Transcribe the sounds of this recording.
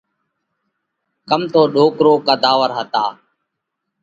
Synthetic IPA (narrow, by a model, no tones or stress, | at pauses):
kəmt̪oːɗoːkɾoːkəd̪aːʋəɾɦət̪aː